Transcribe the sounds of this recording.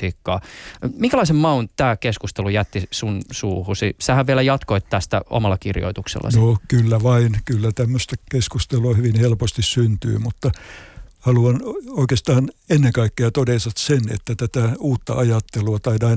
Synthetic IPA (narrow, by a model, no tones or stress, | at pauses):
ikːɑ̰ːmiŋkælɑisemmɑunt̪t̪æːkeskust̪elujæt̪ːisunsuːhusisæhæʋʋielæjɑt̪koit̪t̪æst̪æ̰o̰mɑlːɑkirjo̰it̪uksḛlːɑ̰nokylːæʋɑinkylːæt̪æmːøst̪ɑkeskust̪eloɑhyʋinhelpost̪issynt̪y̰ːmut̪ːɑ | hɑluɑnoikest̪ɑːnenːeŋkɑikːeɑt̪odesɑt̪senḛt̪ːæt̪æt̪æuːt̪ːɑ̰ɑjɑt̪ːeluɑt̪ɑidɑi